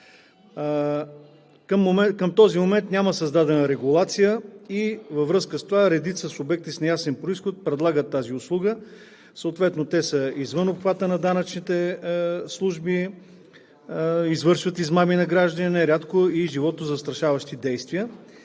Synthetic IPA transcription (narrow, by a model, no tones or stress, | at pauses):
kəmːokəmt̪ɔzimomɛnt̪nʲaməsɐzd̪ad̪ɛnəɾɛɡulˠat̪sijəivɐvɾɤskəst̪ovaɾɛd̪it̪səsʊbɛk̚t̪isnɐjasɛnpɾoisxot̪̚pɾɛd̪lˠaɡət̪ːaziʊslˠuɡə | səot̪vɛt̪not̪ɛsəizvɤnopxvat̪ənɐd̪anət͡ʃnit̪ɛslˠuʒbi | izvɤɾʃvət̪izmaminɐɡɾaʒd̪əninɛɾʲat̪koiʒivɔt̪ozɐst̪ɾɐʃavəʃt̪id̪ɛjst̪vijə